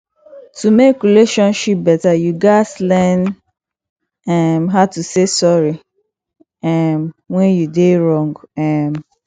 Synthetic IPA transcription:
tumekɹileʃɔ̃nʃip̚bɛtajuɡaɪslɛn | ɛmɦatusesɔɹi | ɛmwɛ̃njudeɹɔ̃ŋɡɛm

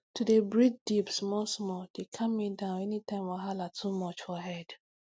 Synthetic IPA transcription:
tʰudebɹid͡ʒ̚dipsmɔsmɔd̥ekʰamːidãʊ̃nɛnitãɪ̃mɔɦalatʰumɔt͡ʃfɔɦɛd̥

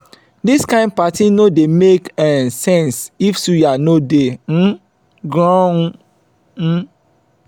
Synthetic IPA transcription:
diskãɪ̃nd̚patinodemekɛ̃sɛ̃nsifsujanodem̩ | ɡɹɔ̃

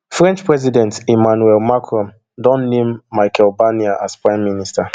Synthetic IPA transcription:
fɹɛ̃nt͡ʃpɹɛzidɛ̃ntimanuɛlmakʰɹɔ̃m | dɔ̃nnẽmːaɪkɛlbaniaʔaspɹãɪ̃mːinista

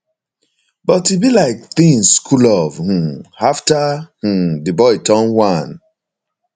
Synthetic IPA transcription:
bɔtibilaɪk̚θĩŋsːkʰulɔvh̩aftah̩dɨbɔɪtʰɔ̃nwãn

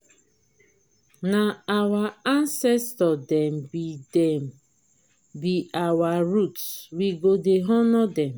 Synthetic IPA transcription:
naawaansɛstɔdɛm̩bidɛm̩ | biʔawaɾutsɾiɡodeɦɔnɔdɛm̩

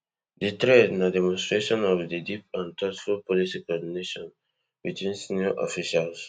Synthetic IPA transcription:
ditɹednadɛmɔ̃nstɹeʃɔ̃nɔvdidip̚ãntʰɔtfulpɔlisikɔdineʃɔ̃n | bitwĩnsinɔʔɔ̰fiʃals

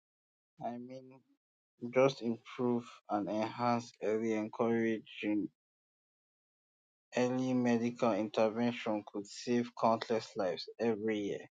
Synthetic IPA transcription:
aɪmĩn | d͡ʒʌstĩmpʰɹuvãnɛ̃nɦãnsɛliɛ̃nkʰɔɹed͡ʒĩŋ | ɛlimɛdikʰalĩntʰəvɛ̃nʃɔ̃nkʰud̥sev̥kʰɔ̃ntʰlɛslaɪfsɛvɹijiə

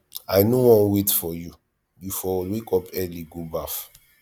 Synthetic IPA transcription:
aɪnowɔ̃nwetfɔju | bifɔlwekɔpɛliɡobaf

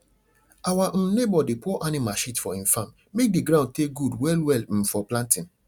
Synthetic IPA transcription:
awaʔ̩nebɔdepɔʔanĩmaʃitfɔĩfãm | mek̚diɡɾãʊ̃d̚teɡudwɛlwɛlm̩fɔplãntĩn

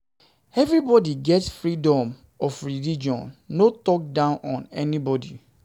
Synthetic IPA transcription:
ɛvɾibɔdiɡɛtsfɹidɔ̃m | ɔfɹilid͡ʒɔ̰̃nːotɔk̚dãʊ̃nʔɔ̃nɛnibɔdi

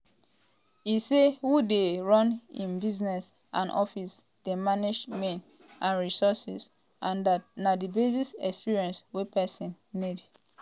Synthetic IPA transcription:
isewudeɹɔ̃nḭ̃nbiznɛs | ʔã̰nʔɔfis | d̥emaned͡ʒmẽn | ʔãnɹisɔsis | ʔãndat̚nadibezisɛ̰kspiɹiɛ̃nswepɛsĩnːid

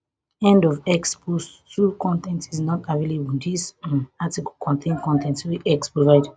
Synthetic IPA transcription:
ɛ̃ndɔvɛkspus | tʰukɔ̃ntɛ̃ntiznɔtavelibĩndisatikɔlkʰɔ̃ntʰẽnkɔ̃ntʰɛ̃ntsiʔɛkspɹɔvaɪd

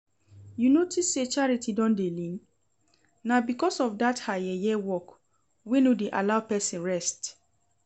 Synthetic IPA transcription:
junotʰisːet͡ʃaɹitidɔ̃ndelĩn | nabikɔsɔvdathaɛjɛwɔk | wenodeʔa̰laʊpɛsĩnɹɛst

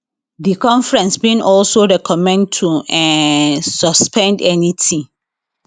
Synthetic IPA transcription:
dikʰɔ̃ɱfɹɛ̃nsbĩnɔlsoɹɛkʰɔmɛ̃ndtʰuɛ̃sɔspʰɛ̃ndɛnitʰĩ

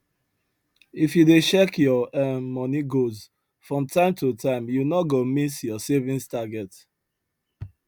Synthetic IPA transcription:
ifjudet͡ʃɛkjɔɛmɔniɡoz | fɹɔ̃mtʰãɪ̃mtʰutʰãɪ̃mjunɔɡomisjɔsevĩnstaɡɛt

